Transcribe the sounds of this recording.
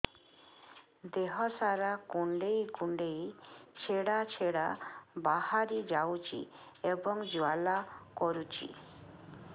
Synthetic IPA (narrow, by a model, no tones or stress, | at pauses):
d̪eɦɔsaɾakuɳɖejkuɳɖejt͡ʃʰeɽat͡ʃʰeɽa̰bahaɾid͡ʒawt͡ʃʰḭ | ebɔŋd͡ʒualakɔɾut͡ʃḭ